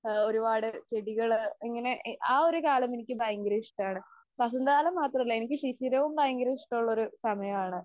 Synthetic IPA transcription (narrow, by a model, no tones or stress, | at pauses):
o̞ɾubaːɽɨt͡ɕeɽiɣɐɭiŋːɐne̞ʔʔaːo̞ɾukaːlɐmenikʲːɨbɐjɐŋɡɐɾiʂʈaːɳɨ | pɐs̬ɐnd̪aːlɐmːaːt̪rɐmilːɐenikʲːɨɕiɕiɾɐʋumbɐjɐŋɡɐɾiʂʈuɭːɐoɾusɐmɐjɐmaːɳɨ